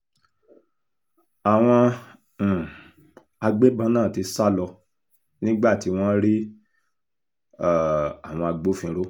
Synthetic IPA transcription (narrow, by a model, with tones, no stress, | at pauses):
a˨w̃ɔ̃˧˨ | a˧ɡ͡be˦bã˨˦nãː˦˨ti˨˧sa˦lɔ˧ | nĩ˦ɡ͡ba˦˨ti˨˧˦w̃ɔ̃˦ɾi˦˨ | a˨w̃ɔ̃˧a˧ɡ͡bo˦fĩ˧˦ɾo˦